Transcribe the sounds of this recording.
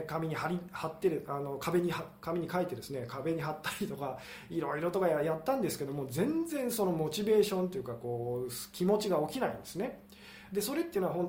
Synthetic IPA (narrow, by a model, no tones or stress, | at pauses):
kamʲiɲ̟ihaɾʲihat̪ːe̞ɾɯano̞kʰabe̞ɲ̟ihakamʲiɲ̟ikait̪ːe̞d̪e̞sɨne̞kabe̞ɲ̟iɦat̪ːaɾʲit̪o̞ka | iɾo̞iɾo̞t̪o̞kajat̪ːãnd̪esɨ̥ke̞d̪o̞mo̞ːzẽ̞nd͡zẽ̞ɰ̃so̞no̞mo̞t͡ɕibe̞ːɕõ̞nt̪̬ejɯ̟kako̞ːskʲimo̞t͡ɕiɡao̞kʲinaḭ̃nd̪esɨne̞ | d̪e̞so̞ɾe̞t̪ːei̟noaɦon